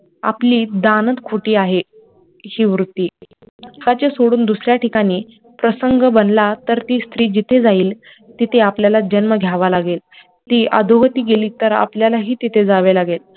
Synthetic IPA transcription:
a̰pliːd̪anət̪kʰoʈiːaɦe | hiːʋɾut̪ːiː | kat͡ɕesoɽuːnd̪usɾjaʈʰikaɽ̃iː | pɾəsəŋɡəbənlat̪əɾt̪iːst̪ɾiːd͡ʑit̪ʰed͡zaiːl | t̪it̪ʰeapljalad͡ʑənməɡʱjaʋalaɡel | t̪iːʔə̰d̪ʱoɦət̪iːɡeliːt̪əɾa̰pljalaɦiːt̪it̪ʰed͡zaʋelaɡel

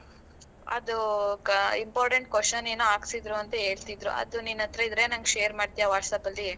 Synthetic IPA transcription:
ɐ̰d̪u | impaːɾʈeɳʈ̚kʋosɐneːnuaːɡsid̪ɾuɐnt̪ɐe̞ːɭt̪id̪ɾṵʔɐ̰d̪uninːɐt̪ɾɐid̪ɾe̞ːnɐŋɡʃeːɐɾmaːɖt̪ijaʋaːʈsɐpɐlːi

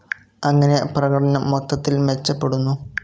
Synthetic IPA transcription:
ɐŋːɐne̞prɐɣɐʈɐnɐmːot̪ːɐt̪ːilmet͡ɕːɐpːe̞ɽunːu

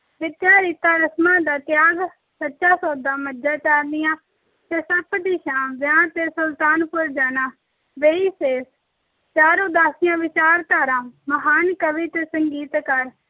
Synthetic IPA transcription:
ʋɪd̪jaːɾit̪aːɾəsmãːd̪aːt̪ɪjaːɡ | sətːʃaːsɔːd̪ãːməd͡ʒaːt͡ʃaːɾnɪjãː | t̪eːsəpd̪ɪʃãːʋjãːt̪eːsʊlt̪aːnpʊɾd͡ʒaːnaː | ʋeːiːseːs | t͡ʃaːɾoːd̪aːsɪjãːʋɪt͡ʃaːɾt̪aːɾãːməɦaːnkəʋɪt̪ːsəŋɡiːt̪kəɾ

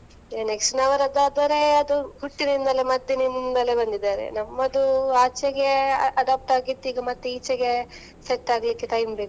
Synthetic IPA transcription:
jɐneksʈnɐʋɐɾɐd̪aːd̪ɐɾe̞ɐd̪uɦuʈːinɐind̪ɐlemɐd̪jɐnɐnnd̪ɐlebɐnd̪id̪aːɾḛnɐmːɐd̪uaːt͡ʃeɡe̞ɐɐɖaːp̚ʈaːɡit̪ːiːɡɐmɐt̪ːuiːt͡ʃeɡe̞ | seʈːaːɡlikːeʈɐjmbe̞ːku

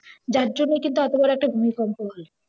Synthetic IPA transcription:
d͡ʑaɾd͡ʑonːekint̪uɛt̪obaɾoɛk̚ʈabʱumikɔŋkoɦole

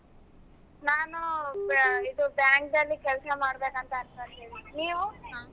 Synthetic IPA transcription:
naːnu | id̪ubjaːŋk̚d̪ɐlːikɛlsɐmaːɽbeːkɐnt̪ɐɐnt̪ɐt̪iːʋiniːʋu

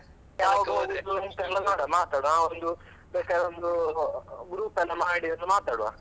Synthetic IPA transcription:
jaːʋɐɡoɡund̪uont̪ɐlːɐmaːɽɐmaːt̪aːɽuãːond̪u | bɛːkaːɾeond̪u | ɡɾuːpɛlːɐmaːɽiɐnːɐmaːt̪aːɽuʋa̰ː

